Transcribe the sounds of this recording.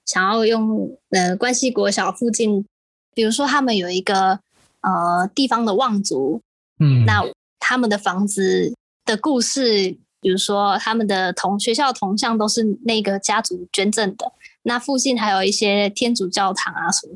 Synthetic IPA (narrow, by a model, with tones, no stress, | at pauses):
ɕjɑ˨˩ŋjɑ˥˧ʊjʊ˥˩ŋə˧kwa˦nɕi˧˥kwɔ˧˥ɕjɑ˨˩ʊfu˥˧t͡ɕi˥˩n | pi˨˩ɻu˧˥ʂwɔ˥t̪ʰa˥mə˨njo˨˩ʊi˧˥ɡə˧ | ə˨˩t̪i˥˩fɑ˥ŋd̪ə˨wɑ˥˩ŋt͡su˧˥˦ | na˥˩ | t̪ʰa˥mə˨nd̪ə˩fɑ˧˥ŋd͡zɹ̩˧ | d̪̥ə˨ku˥˧ʂɻ̩˥˩ | pi˨˩ɻu˧˥ʂwɔ˥t̪ʰa˥mə˨nd̪ə˩t̪ʰʊ˧˥ŋɕɥɛ˧˥ɕjɑ˥˩ʊt̪ʰʊ˧˥ŋɕ̬jɑ˥˩ŋt̪o˥ʊʂɻ̩˥˧ne˥˩ɪ˧ɡə˩t͡ɕja˥t͡su˨˥t͡ɕɥɛ˥nʈ͡ʂə˥˩nd̪ə˩na˥˧fu˥˧t͡ɕi˥˩nxa˧˥ɪjo˨˩ʊi˥˩ɕjɛ˥t̪ʰjɛ˥nt͡su˨˩t͡ɕjɑ˥˩ʊt̪ʰɑ˨˧˥ŋa˧sə˧˦m˦